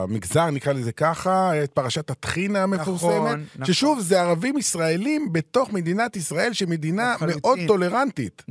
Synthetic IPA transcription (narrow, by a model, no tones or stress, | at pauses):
miɡzaʁnikʁalezekaχajat̪̚paʁaʃat̪hat̪χinameffuʁseme̞t̪ʃeʃuvzeaʁavimisʁae̞limbe̞t̪o̞χmed̪inat̪isʁae̞lʃeme̞d̪iname̞ʔo̞d̪̚o̞le̞ʁant̪it̪